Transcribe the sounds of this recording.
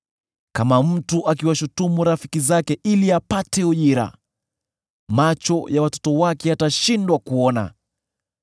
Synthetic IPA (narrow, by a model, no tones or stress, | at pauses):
kamam̩tuʔakiwaʃutumuɾafi̥kizakɛʔiliapatɛuʄiɾa̰ | mat͡ʃɔjawatɔ̥tɔwakɛataʃindwakuɔna̰